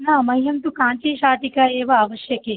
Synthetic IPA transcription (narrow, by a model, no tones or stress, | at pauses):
namɐjɦɐmt̪ukãːt͡ʃeʃaːʈikaeʋaːʋəʃjəke